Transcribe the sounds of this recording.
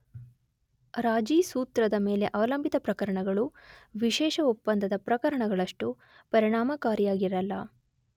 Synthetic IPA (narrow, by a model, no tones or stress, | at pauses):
ɾaːd͡ʒiːsuːt̪ɾɐd̪ɐmeːle̞ʔɐʋɐlɐmbʱit̪ɐpɾɐkɐɾɐɳɐɡɐɭuʋiʃɛːʃɐupːɐnd̪ɐd̪ɐpɾɐkɐɾɐɳɐɡɐɭɐʂʈu | pɐɾiɳaːmɐkaːɾijaːɡiɾɐlːɐ̰